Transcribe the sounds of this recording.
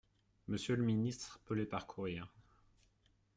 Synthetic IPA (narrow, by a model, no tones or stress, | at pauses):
məsjələminist̪χpəlepaʁkʰuʁiːʁ